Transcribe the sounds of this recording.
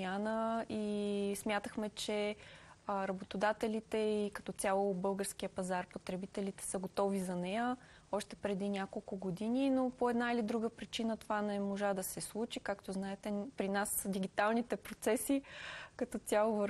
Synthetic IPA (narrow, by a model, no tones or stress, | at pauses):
anəismʲjat̪əxmɛt͡ʃɛ | ɾɐbot̪od̪at̪ɛlit̪ɛikɐ̥t̪ɔt̪ʲjalˠobɤlˠɡəɾskiəpɐzaɾpot̪ɾɛbit̪ɛlit̪ɛ̥səɡot̪ɔvizɐnɛjə | ɔʃt̪ɛpɾɛd̪inʲakolˠkʊɡod̪ininopoɛd̪nailid̪ɾuɡəpɾit͡ʃinət̪ovanɛmoʒad̪ɐsɛslˠut͡ʃikakt̪oznaɛt̪ɛpɾinasd̪iɡit̪alˠnit̪ɛpɾot̪sɛsikɐt̪ɔt̪ʲalˠovəɾ